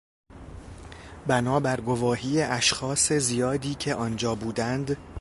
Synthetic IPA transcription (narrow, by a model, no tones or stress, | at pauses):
bænɒːbæɾɡovɒːɦiːjeʔæʃxɒːse̞zijɒːd̪iːcʰe̞ʔɒːnd͡ʒɒːbuːd̪ænd̪